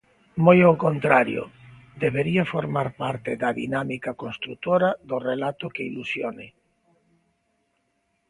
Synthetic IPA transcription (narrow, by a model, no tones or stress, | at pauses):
mojowkont̪ɾaɾjo̰ | d̪eβeɾiafoɾmaɾpaɾt̪eðaðḭnamikakonst̪ɾut̪oɾaðorelat̪okeilusjonḛ